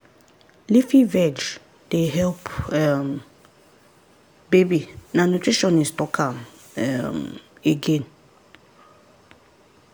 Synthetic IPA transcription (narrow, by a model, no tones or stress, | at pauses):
lifivɛd͡ʒ | d̥eɦɛlpɛm | bebinãnotʰɹiʃɔ̃nĩnstɔkʰãm | ɛmeɡẽn